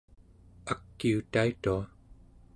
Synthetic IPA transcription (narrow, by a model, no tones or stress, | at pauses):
akːiut̪ait̪ua